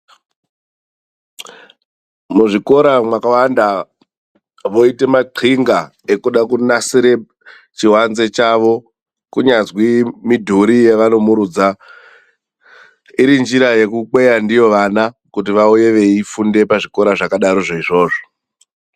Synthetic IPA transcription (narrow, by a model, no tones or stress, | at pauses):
muʐiko̞ɾamwakawanda | ʋo̞ite̞maǃʰiŋɡa | ekuɗakunasiɾe̞ | t͡ʃiɦwanze̞t͡ʃaʋo̞ | kuɲazwimidʱuɾijeʋano̞muɾuːd͡za | iɾind͡ʒiɾaje̞kuk͡pwe̞jandijo̞ʋanakut̬iʋauje̞ʋe̞ifunde̞paʐiko̞ɾaʐakaɗaɾo̞ʐoiʐo̞ːʐo̥